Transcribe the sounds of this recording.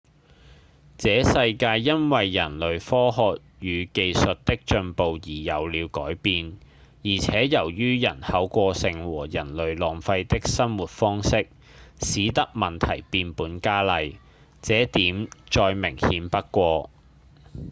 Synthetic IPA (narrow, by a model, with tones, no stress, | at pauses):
t͡sɛː˨˥sɐ˧jkaː˧jːɐ˥nwɐ˨jːɐ˨˩nlɵ˨ɥfɔː˥ɦɔː˨k̚jyː˨˧ke˧jsɵ˨t̚t̪ɪ˥k̚t͡ʃɵ˧npo˨wjiː˨˩jɐ˨˧wliː˨˧wkɔː˨˥jpiː˨˧n | jiː˨˩t͡sʰɛː˨˥jɐ˨˩wjyː˥jɐ˨˩nhɐ˨˥wkʷɔː˧sɪ˧ŋwɔː˨˩jɐ˨˩nlɵ˨ɥlɔː˨ŋfɐ˧jt̪ɪ˥k̚sɐ˥nwuː˨t̚fɔː˥ŋsɪ˥k̚ | siː˨˥t̪ɐ˥k̚mɐ˨˩nt̪ʰɐ˨˩jpiː˧npuː˨˥nkaː˥lɐ˨˧j | t͡sɛː˨˥t̪iː˨˥mt͡ʃɔː˧jmɪ˨˩ŋhiː˨˧˥npɐ˥t̚kʷɔː˧